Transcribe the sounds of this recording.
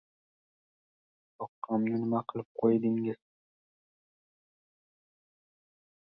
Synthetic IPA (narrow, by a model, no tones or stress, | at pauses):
t̪ʰoqːɑmnɪnɪmaqʰɨlˠɪp̚qʰojd̪ɪŋɪz̥